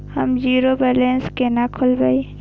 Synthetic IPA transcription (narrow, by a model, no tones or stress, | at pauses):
həmd͡ʒiːɾobɛlenskenakʰʊlbəi